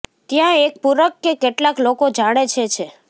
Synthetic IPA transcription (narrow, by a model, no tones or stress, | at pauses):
t̪jãek̚puɾəkːekeʈlaklokod͡ʒaɽ̃et͡ʃʰet͡ʃʰe